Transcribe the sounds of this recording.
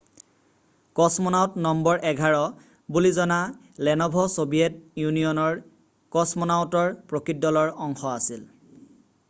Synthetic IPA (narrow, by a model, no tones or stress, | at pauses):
kɔsmɔnaʊtnɔmbɔɹʔɛɡʱaɹɔ | bulizɔna | lɛnɔbʱɔsobʱijɛtjunijɔnɔɹ | kɔsmɔnawtɔɹpɹokit̚dɔlɔɹɔŋxɔasil